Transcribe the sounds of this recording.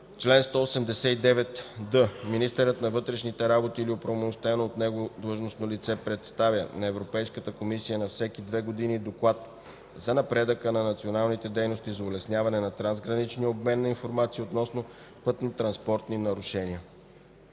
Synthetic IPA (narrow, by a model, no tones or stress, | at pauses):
t͡ʃlɛnst̪ɔosɛmd̪ɛsɛid̪ɛvɛt̪d̪ɤminist̪ɛɾət̪nɐvɤt̪ɾɛʃnit̪ɛɾabot̪iːliopɾɐvomoʃt̪ɛnoːt̪nɛɡod̪lˠɤʒnosnolit̪sɛpɾɛt̪st̪avʲjə̰nɐɛvɾopɛjskət̪əkomisijənɐfsɛkid̪vɛɡod̪inid̪oklˠat̪ | zɐnɐpɾɛd̪əkənɐnɐt̪sionalˠnit̪ɛd̪ɛjnost̪izɐʊlɛsnʲjavɐnɛnɐt̪ɾanzɡɾɐnit͡ʃniəob̚mɛnːɐinfoɾmat̪siot̪nɔsno | pɤt̪not̪ɾɐnspɔɾt̪ninɐɾʊʃɛniə